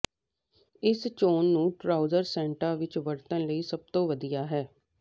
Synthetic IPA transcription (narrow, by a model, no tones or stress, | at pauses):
ɪst͡ʃoːnːũːʈɾaːuzəɾsɛ̃ːɳʈaːʋɪt͡ʃʋəɾt̪ə̃nləiːsəb̚t̪õːʋəd̪ijaːɦɛː